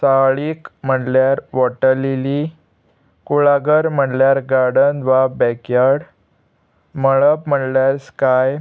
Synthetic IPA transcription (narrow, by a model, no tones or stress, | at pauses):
saɭiːkm̤əɽljaɾʋɔʈəlili | kuɭaɡəɾm̤əɽljaɾɡaɾɽənʋabɛkjəɽ | məɭəpm̤əɽljaɾskaj